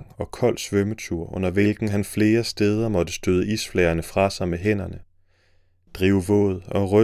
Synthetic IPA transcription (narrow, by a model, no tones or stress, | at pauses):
ŋɒ̽kʰɒ̽l̰d̥sʋœmət͡sʰuɐ̰ʔɔ̽n̰ɐʋe̝lɡ̥n̩ɦænfle̝ːɐsd̥eːð̞ˠɐmɒ̽d̥əsd̥øð̞ˠəiːsflɛɐnəfʁɑ̈sɑ̈ɪmeɦen̰ɐnə | d̥ʁiːʊəʋɔ̰̽ːð̩ˠɒ̽ʁœ